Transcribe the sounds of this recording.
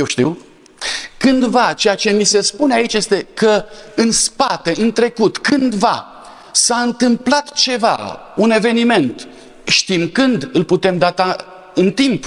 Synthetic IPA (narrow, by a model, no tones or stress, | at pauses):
jewʃt̪iw | kɨnd̪vat͡ʃe̞jat͡ʃe̞mise̞spuneait͡ʃʲje̞st̪e̞kəɨnspat̪e̞ʔɨnt̪ɾe̞kut̪kɨnd̪va | saɨnt̪ɨmplat̪t͡ʃe̞va̰ | une̞ve̞nime̞nt̪ | ʃt̪imkɨnd̪ɨlput̪e̞md̪at̪a | ɨnt̪imp